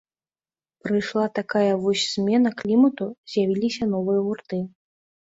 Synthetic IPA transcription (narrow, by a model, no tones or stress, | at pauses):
pɾɨjʂlˠat̪akajɐvɔsʲsʲmʲɛn̪ɐklʲimɐt̪uzʲjavʲilʲisʲɐn̪ɔvɨjɐɣurt̪ɨ